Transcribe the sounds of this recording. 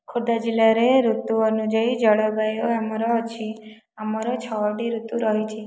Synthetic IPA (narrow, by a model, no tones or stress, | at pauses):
kʰud̪ad͡ʒilaɾeɾut̪uɔnud͡ʒɔid͡ʒɔɭɔbajoamaɾɔːt͡ʃʰi | amɔɾɔt͡ʃʰɔɔɖiɾut̪uɾɔɦit͡ʃʰi